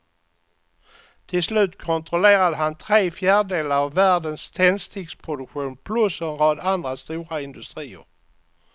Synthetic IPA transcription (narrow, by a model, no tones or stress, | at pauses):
t̪ʰɪlslʉ̟ːt̪ːkʰɔnt̪ɾɔleːɾad̪əɦant̪ʰɾeːfjæːɖəɖeːlaɾavːæːɖənst̪ʰɛnst̪ʰɪɡspʰɾʊd̪ɵkɧuːnpʰlɵsɛnɾɑːd̪and̪ɾast̪uːɾaɪnd̪ɵst̪ɾiːə̰ɾ